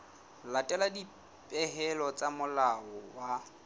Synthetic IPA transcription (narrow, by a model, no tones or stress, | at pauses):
latʼɛladi | pʼɛɦɛlɔt͡sʼamʊlaɔwa